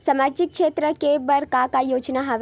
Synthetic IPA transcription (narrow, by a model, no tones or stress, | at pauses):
səmad͡ʒɪk̚kʰʃet̪ɾəkebəɾkakajoːd͡ʒnaɦaʋ